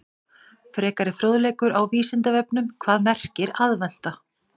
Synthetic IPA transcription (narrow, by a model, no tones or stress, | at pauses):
fɾɛːkaɾɪfɾoːðlɛːkʏɾawviːsɪnt̪avɛpnʏmkʰvaːðmɛr̥cɪɾaðvɛn̥t̪a